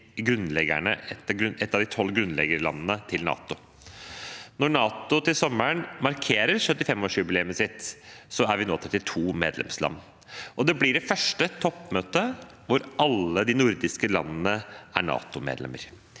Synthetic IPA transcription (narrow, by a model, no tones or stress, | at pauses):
ɡɾʉnlɛɡə̰ɳə̰ɛt̪ːɑɡɾʉnɛt̪ːɑʋd̪ɪt̪ʰɔlːɡɾʉnlɛ̰ɡəɾəlɑ̰nːənət̪ʰɪlnɑ̰ːt̪ʊ | nɔɳɑːt̪ʊt̪ɪlsɔmːəɳmɑɾkʰeːɾəɾsʉt̪ːɪfɛmːɔːʂʉːbɪlɛməsɪt̪sɔæɾʋɪnoːt̪ʰɾɛt̪ːɪt̪ʰuːmḛːd̪lɛ̰mslɑ̰nː | ʔɔd̪ɛblɪɖɛfœʂʈət̪ʰɔpːmøːt̪ə | ʋʊɾɑlːəd̪ɪnʊɾd̪ɪskəlɑnːnəʔæɳɑ̰ːt̪ʊmḛːd̪lɛ̰mːə̰ɾ